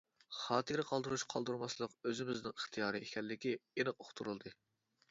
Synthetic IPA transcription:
χɑːt̪ʰɨɾqʰɑlˠd̪uɾuʃqʰɑlˠd̪uɾmɑslˠəqøzɪmɪznɪŋəχt̪ʰijɑːɾɨekʲʰɛlːɪkʲienɨqoχt̪ʰuɾulˠd̪ɨ

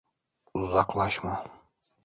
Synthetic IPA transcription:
zaqʰlˠaʃmɔ

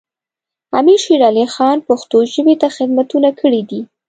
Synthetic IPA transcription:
a̰miɾʃiɾɑlexɑnpaxt̪oʒəbet̪axɪd̪mat̪unakʰəɽid̪i

